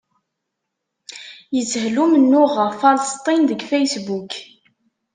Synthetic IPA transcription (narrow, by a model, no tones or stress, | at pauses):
jət͡sːhlumənːʊʁəʁfɑlst̪ˤinðəɡfæjsbuk